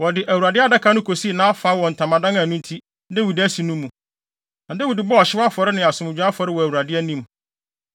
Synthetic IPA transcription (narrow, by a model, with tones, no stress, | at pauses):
wɔ˨dɪ˨ʔæ˨wu˨ɾa˨dɪ˦a˦da˦kʰa˦nʊ̃˦kʰo˨si˦˨nãː˦a˦fa˨˦wɔ̃˨n̩˨tʰã˨mã˨dã˦ŋã˨nʊ̃˦n˦tʰi˦ | dɛ˦wu˨dɪ˦æ˦si˨nʊ̃˦mːũ˨ | nã˨dɛ˦wʊ˨dɪ˨bɔ˦ɔ˨ɕɪ˦wa˦fɔ˨ɾɪ˦nɪ̃˨a˨sʊ̃˨mɪ̃˨d͡ʑᶣa˦fɔ˨ɾɪ˦wɔ˨æ˨wu˨ɾa˨dɪ˦ɛ˦nĩ˦m